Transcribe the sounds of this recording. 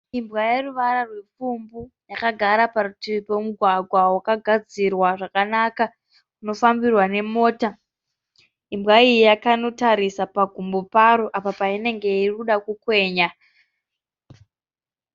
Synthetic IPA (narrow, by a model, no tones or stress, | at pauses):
imbwajeruʋaɾarwe̞fumbu | jakaɡʱaɾaparutipomuɡʱwaɡʱwawakaɡʱad͡zirwaʐakanaka | uno̞fambirwane̞mo̞ːta | imbɣaijijakano̞taɾisapaɡʱumbopaɾoʔapapaine̞ŋɡe̞iruɗakukwe̞ːɲa